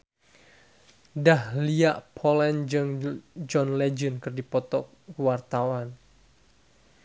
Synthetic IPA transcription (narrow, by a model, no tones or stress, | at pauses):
dahlijaʔpʰɔlɛnd͡ʒɨŋd͡ʒɔnled͡ʒənkɨrdipɔt̪ɔ̰ | wart̪awan